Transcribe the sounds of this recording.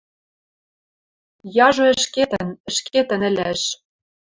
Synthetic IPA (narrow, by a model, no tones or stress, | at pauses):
jɑʒŏɘ̆ʃket̪ə̆nə̆ʃkʰet̪ɘ̆nɘ̆lʲæʃ